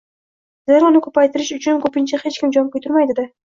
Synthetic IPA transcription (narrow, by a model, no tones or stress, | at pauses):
zeɾʊnɪkʰɵpʰajt̪ɪɾɪʃʊt͡ʃʰʊnkɵpɪnt͡ʃʰahe̞t͡ʃkʲɪmd͡ʒɒmkɵjt̪ɪɾmajd̪ɪd̪ɪ